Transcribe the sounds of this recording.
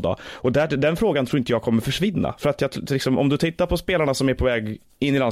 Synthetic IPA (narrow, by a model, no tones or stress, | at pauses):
d̪ɑ̰ɔd̪æd̪ɛnfɾoːɡanʰɾuːɾɪnt̪əjɑːɡ̚kʰɔmːəɾfœʂvɪnːa̰fœɾat̪jɑlɪksɔmʔɔ̰md̪ɵt̪ʰɪt̪ːaɾpʰɔspeːlaɳasɔmæɾpʰɔvɛːɡ | ɪnːɪlan